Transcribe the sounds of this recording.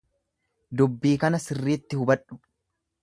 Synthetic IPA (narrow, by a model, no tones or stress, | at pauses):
d̪ʊbːiːkɐnɐsɪrːiːt̪ːɪhʊbɐᶑʊ̥